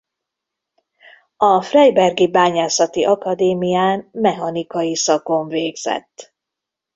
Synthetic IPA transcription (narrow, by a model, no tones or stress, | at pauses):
ɒfrɛjbɛrɡibaːɲaːsɒt̪iʔɒkɒd̪eːmijaːnmɛɦɒnikɒjisɒkoɱveːɡz̥ɛ̰t̪ː